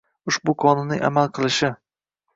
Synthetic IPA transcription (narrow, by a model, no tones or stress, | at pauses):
ʊʃbʊkʰɒnɪnːɪ̰ŋʲʔa̰malˠqʰɨlˠɪʃɪ